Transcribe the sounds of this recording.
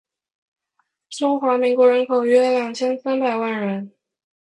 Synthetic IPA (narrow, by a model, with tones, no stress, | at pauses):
ʈ͡ʂʊ˥ŋxwa˧˥mi˧˥ŋkwɔ˧˥ɻə˧˥nkʰo˨˩ʊɥɛ˥ljɑ˨˩ŋt͡ɕʰjɛ˥nsa˥npa˨˩ɪwa˥˩nɻə˧˥n